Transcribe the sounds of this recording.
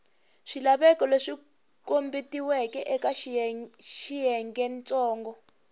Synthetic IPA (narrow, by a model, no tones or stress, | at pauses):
ʂilaɓɛkɔleʂi | kombitiwɛkɛʔɛkaʃ | ʃijɛŋɡɛnt͡sɔːŋɡɔ